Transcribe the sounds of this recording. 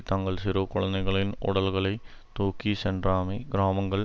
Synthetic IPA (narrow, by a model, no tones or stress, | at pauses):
t̪ɐŋɡɐɭsiɾoːkːoɭɐnːɐɣɐɭino̰ɽɐlɣɐɭe | t̪oːkːiseɳɖraːmiɡɾaːmɐŋɡɐɭ